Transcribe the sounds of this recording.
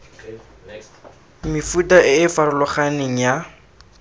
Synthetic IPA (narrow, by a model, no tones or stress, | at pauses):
mɪfutaʔɪːfaɾʊlʊχanɪŋ̩ja